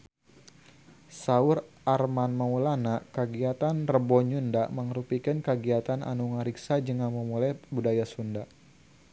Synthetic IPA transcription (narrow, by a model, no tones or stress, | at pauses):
saurʔarmanmaulanakəɡiat̪anrəbɔɲundaʔməŋɾupikɨnkəɡiat̪ana̰nuŋaɾiksad͡ʒəŋanməmulajbudajasunda